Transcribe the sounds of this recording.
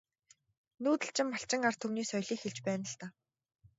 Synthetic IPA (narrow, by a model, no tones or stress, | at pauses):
nuːt̪ɘ̆ɬt͡ɕɪ̆mːaɬt͡ɕɪ̆ŋart̪ʰɵwniːsɔjɮiːkxeɮt͡ɕpæːnə̆ɮt̪aː